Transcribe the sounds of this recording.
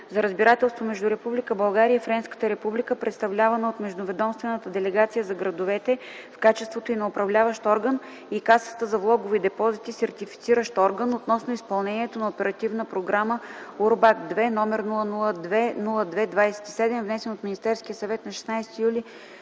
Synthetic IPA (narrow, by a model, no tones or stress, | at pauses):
zɐɾəzbiɾat̪ɛlˠst̪vomɛʒd̪uɾɛpublikəbɐlˠɡaɾijəifɾɛnskə̥t̪əɾɛpublikəpɾʔɛt̪st̪ɐvlʲavɐnəot̪mɛʒd̪ovɛd̪ɔmst̪vɛnət̪əd̪ɛlɛɡat̪sijəzɐɡɾɐd̪ʊvɛt̪ɛ | fkat͡ʃɛst̪vot̪oinɐopɾɐvlʲavəʃt̪ɔɾɡən | ikasə̥t̪əzɐvlˠɔɡʊvid̪ɛpɔzit̪isɛɾt̪ifi̥t̪siɾəʃt̪ɔɾɡənot̪nɔsnoispɐlˠnɛnʲiɛt̪onɐopɛɾɐt̪ivnəpɾoɡɾaməuɾbakd̪vɛnɔmɛɾnulˠənulˠəd̪vɛnulˠəd̪vɛd̪vajsɛ̥t̪i̥sɛd̪ɛmvnɛsɛnot̪minist̪ɛɾskijəsɐvɛt̪nɐʃɛ̥snajst̪ijulʲi